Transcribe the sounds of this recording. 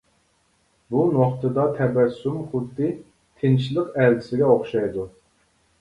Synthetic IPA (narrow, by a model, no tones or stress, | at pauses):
bunoχt̪ɨd̪ɑt̪ʰɛbæsumχud̪ːɨ | t̪ʰɪnt͡ʃilˠəqæld̪ɪsɪɡʲɛoχʃɑjd̪u